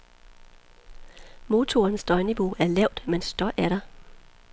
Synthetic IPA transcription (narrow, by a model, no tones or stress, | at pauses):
mo̝ːt͡sʰo̝ɐnsd̥ɒ̽ɪniʋo̝ʔæɐlɛʊ̰d̥mensd̥ɒ̽ʔæɐɾɑ